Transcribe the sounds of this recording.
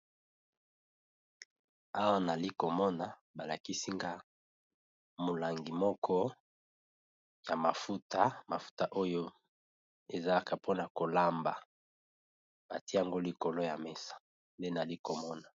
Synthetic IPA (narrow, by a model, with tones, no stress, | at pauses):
a˦wa˦na˨li˦ko˨mɔ˦na˨ | ba˨la˨ki˦si˦ŋɡa˦ | mo˨la˨ŋɡi˨mɔ˦kʰɔ˦ | ja˨ma˨fu˦ta˦ma˨fu̥˦ta˦ʔo˦jo˦ | e˨za˨la˦ka˨pʰo˦na˨ko˨la˦mba˨ | b̥a˨ti˦ja˨ŋɡo˦li˨ko˨lo˦ja̰˨me˦sḁ˦ | nde˦na˨li˦ko˨mɔ˦na˨